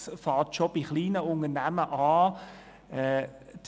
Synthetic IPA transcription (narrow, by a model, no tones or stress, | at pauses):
sfɑːtʃob̥iχliːnəʊnənæməʔɑː | ɛd